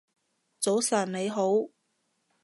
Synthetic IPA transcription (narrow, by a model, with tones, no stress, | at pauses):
t͡so˨˥wsɐː˨˩nne˨˧jɦo˨˥w